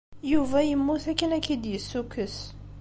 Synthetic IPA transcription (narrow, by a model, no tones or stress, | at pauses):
juvæjəmːuθækinækid̪jəsːukəs